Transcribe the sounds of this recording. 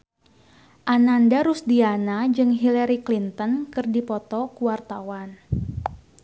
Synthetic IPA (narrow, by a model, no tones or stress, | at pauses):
ʔanandaɾusdianad͡ʒɨŋɦilaɾiklint̪ɔnkɨrdipɔt̪ɔkuwart̪awan